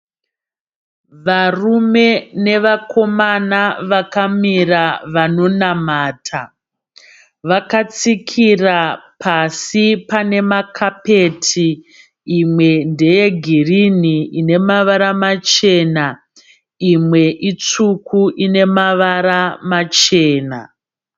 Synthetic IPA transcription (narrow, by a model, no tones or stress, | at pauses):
ʋarume̞ne̞ʋako̞manaʋakamiraʋano̞namaːtʰa | ʋakat͡sikʰirapʰasipane̞makʰape̞tʰiː | mwe̞nde̞je̞ɡʱiriniine̞maʋaɾamat͡ʃe̞na | imwe̞ʔit͡sukʰuʔine̞maʋaɾamat͡ʃeːna̰